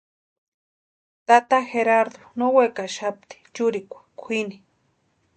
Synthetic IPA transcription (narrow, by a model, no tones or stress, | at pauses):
t̪at̪axeɾaɾd̪onowekaʃap̚t̪i̥t͡ʃʊɾɪkʷḁkʷʰini